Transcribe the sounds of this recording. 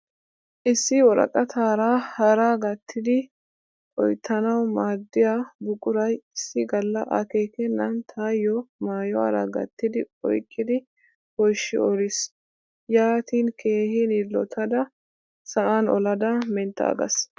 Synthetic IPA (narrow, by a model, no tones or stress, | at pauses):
ʔɪsːɪwɔɾɐ̰kʼɐt̪ʰaːɾaːhɐɾaːɡɐt̪ʰːɪd̪ɪ | ʔʼɔjt̪ʰːɐnɐwmaːd̪ːɪjabʊkʼʊɾɐjɪsːɪɡɐlːɐʔɐ̰keːkɛnːɐnt̪ʰaːjɔmaːjɔa̰ɾɐ̰ɡɐ̰t̪ːɪd̪ɪɔ̰jkʼːɪd̪ɪ | hɔjʃɪ̰ɔɾɪs | jaːt̪iːnkʰeːhɪnilːɔ̰t̪ʰɐd̪ɐ | sɐʔanɔ̰lɐd̪ɐmɛnt̪ːa̰ːɡɐ̰s